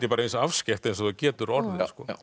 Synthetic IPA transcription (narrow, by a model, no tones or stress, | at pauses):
t̪jɪpaːɾaensafscɛht̪ɛnsɔθacɛːt̪ʏɾɔɾðɪskɔ̰